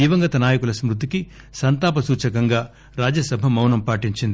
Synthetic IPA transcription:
iːʋɐŋɡɐt̪ɐnaːjɐkulɐsmɾut̪ːiki | sɐnt̪aːpɐsuːt͡ʃɐkɐŋɡaː | ɾaːd͡ʒɐsɐbʱɐmɐwnɐmpaːʈiɲt͡ʃind̪i

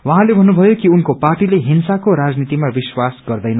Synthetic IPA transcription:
wʌɦãlebʱʌnːubʱʌjokiunkoparʈileɦinsakoɾad͡znit̪imabiswasɡʌrd̪ʌjnʌ

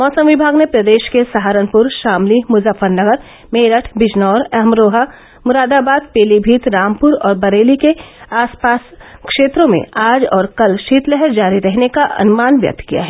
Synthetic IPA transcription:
mɔːsəmʋɪbʱaːɡnepɾɐd̪eːʃkesaɦaːɾənpʊɾʃaːmlimʊzəfəɾnɐɡəɾ | meːɾəʈʰbɪd͡ʒnɔːɾɐɦmɾoːɦa | mʊɾaːd̪aːbaːd̪̚peːlibʱiːt̪ɾaːmpʊɾɔːɾbɐɾeːlikeaːspaːskʃeːt̪ɾõmḛ̃aːd͡ʒɔːɾkɐlʃiːt̪lɛɦəɾd͡ʒaːɾiɾɛɦnekaʔɐ̰nmaːnʋjɐ̰k̚t̪kija̰ɦɛː

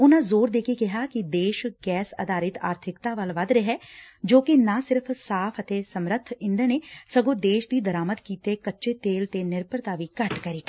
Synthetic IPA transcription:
ʊnãːzoːɾd̪eːkekɪɦaːkid̪eːʃɡɛːsə̰d̪aːɾɪt̪a̰ːɾt̪ʰɪkt̪aːʋəlʋəd̪ɾeɦɛːd͡ʒoːkinãːsɪɾpʰsaːpʰət̪eːsəmɾət̪ʰːɪnd̪əneːsəɡõːd̪eːʃd̪iːd̪əɾaːməd̪kiːt̪eːkətːʃeːt̪eːlt̪eːnɪɾpəɾt̪aːʋiːkəʈkəɾiː

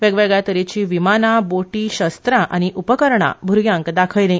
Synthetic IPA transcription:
ʋeɡʋeɡɭjat̪əɾit͡ɕiːʋimanaboʈiːɕəst̪ɾãʔañiʔupəkəɾɳa̰bʱuɾɡjãŋkd̪akʰəjlẽ

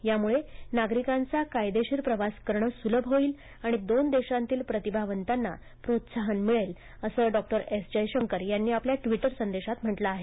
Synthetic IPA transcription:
jamuɭenaɡɾikant͡sakajd̪eɕiːɾpɾəʋaskəɾɳəsuləbʱɦoiːl | aɽ̃id̪ond̪eɕãnt̪iːlpɾət̪ibʱaʋənt̪anːa̰ | pɾot̪saɦənmiɭel | əsəːɖɔk̚ʈəɾesd͡ʑəjɕəŋkəɾjanːiːapljaʈʋiʈəɾsənd̪eɕat̪m̤əʈlaːɦe

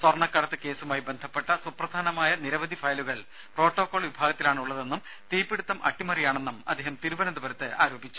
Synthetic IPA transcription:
sʋɐrɳɐkːɐɽɐt̪ːɨke̞ːsumaːjibe̞nd̪ʱɐpːe̞ʈːɐsuprɐd̪ʱaːnɐmaːjɐniɾɐʋɐd̪ʱifɐjluɣɐɭ | pro̞ːʈːo̞ːkːo̞ːɭʋibʱaːɡɐt̪ːilaːɳuɭːɐðe̞nːum | t̪iːpːeɽut̪ːɐmʔɐ̰ʈːimɐɾijaːɳe̞nːumɐd̪ʱːeːhɐmt̪iɾubɐnɐnd̪uʋɐɾɐt̪ːɨʔaːɾoːbit͡ɕːu̥

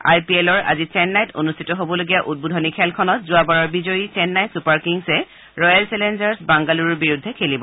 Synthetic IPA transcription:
a̰jpielɔɹʔa̰zit͡ʃɛnːajtʰo̰nustʰitɔɦobɔloɡijaʔut̚budʱɔnikʰɛlkʰɔnɔtzʊabaɹɔɹbizojit͡ʃɛnːajtsupaɹkiŋsɛ | ɹɔjalsɛlend͡ʒaɹsbaŋɡaluɹɔɹbiɹudʱːɛkʰelibɔ

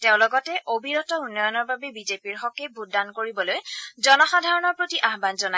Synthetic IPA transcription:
tɛʊ̃lɔɡɔtɛʔobʱiɹɔtɔunːɔjɔnɔɹbabɛbizepiɹxɔkebʱut̚dankoɹibɔlojzɔnɔxadʱaɹɔnɔɹpɹotiʔaɦbanzɔna

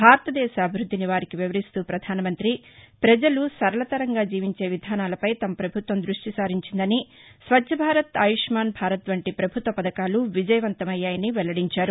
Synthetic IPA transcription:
bʱaːɾɐt̪ɐd̪ɛːʃaːbʱiɾud̪ʱːiniʋaːɾikiʋiʋɐɾist̪uːpɾɐd̪ʱaːnɐmɐnt̪ɾipɾɐd͡ʒɐlusɐɾɐlɐt̪ɐɾɐŋɡaːd͡ʒiːʋiɲt͡ʃe̞ːʋid̪ʱaːnaːlɐpɐjt̪ɐmɐpɾɐbʱut̪ʋɐmd̪ɾuʂʈisaːɾiɲt͡ʃind̪ɐnisʋɐdʒɐbʱaːɾɐt̪ɐjiʂmaːnbʱaːɾɐt̪ʋɐɳʈipɾɐbʱut̪ʋɐpɐd̪ɐkaːluʋid͡ʒɐjɐʋɐnt̪ɐmɐjːaːjɐniʋɛlɐɽiɲt͡ʃaːɾu

